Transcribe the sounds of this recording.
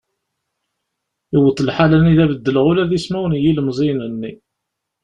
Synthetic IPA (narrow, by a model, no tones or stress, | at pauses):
iwət̪ˤːlħalæniðævəd̪ːələʁulæðismæwənjiləmzˤinənːi